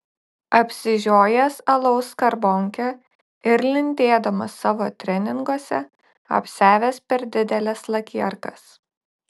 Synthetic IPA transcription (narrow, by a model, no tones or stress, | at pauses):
ɐpʲsʲɪʒʲoːjɛsɐlˠɒʊskɐɾbɔŋʲkʲɛ | ɪɾlʲɪnʲt̪ʲeːd̪ɐmɐsːɑːʋoːt̪ʲɾʲɛnʲɪŋɡuɔsʲɛ | ɐ̰pʲsʲæːʋʲɛspʲɛɾd̪ʲɪd̪ʲɛlʲɛslˠɐkʲiɛɾkɐs